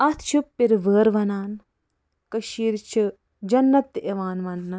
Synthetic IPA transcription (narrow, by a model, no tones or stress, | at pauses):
ɐt̪ʰt͡ʃʰupːiɾʋəːɾʋɐnaːn | kɐʃiːɾt͡ʃʰi | d͡ʒɐnːɐt̪ːeʋaːnʋɐnːɨ